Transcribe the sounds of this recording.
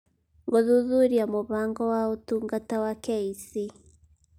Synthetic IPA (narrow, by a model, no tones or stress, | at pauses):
ŋɡɔðuðuɾiamoβaŋɡɔwautuŋɡatawakɛisi